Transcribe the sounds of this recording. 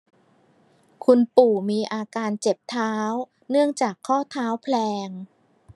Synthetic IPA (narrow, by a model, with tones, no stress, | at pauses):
kʰu˧npuː˨˩miː˧ʔaː˧kaː˧nt͡ɕe˨˩p̚t̪ʰaː˦˥w | nɯ˥˩əŋt͡ɕaː˨˩kʰːɔː˥˩t̪ʰaː˦˥wpʰlɛː˧ŋ